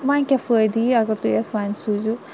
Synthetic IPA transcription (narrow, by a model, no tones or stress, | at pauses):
mãkʲɐfəjd̪iɐɡɐɾt̪uesʋaːnsuzu